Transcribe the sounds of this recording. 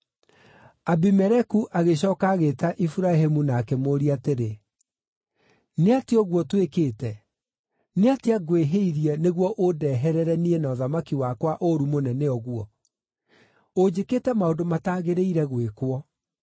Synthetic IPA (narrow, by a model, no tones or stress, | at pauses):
abimɛɾɛkuʔaɣeɕ̬ɔːkaɣetaʔifuɾaɦemunaːkemoɾiateɾe | neateɔɣwɔtwekeːtɛ | neateaɡweɦeiɾiɛneɣwɔʔodɛɦɛɾɛɾɛniɛnaɔðamakiwakwaʔoɾumonɛnɛɔɣwɔ | od͡ʑeketɛmaodomataːɣeɾeiɾɛɣwekwɔ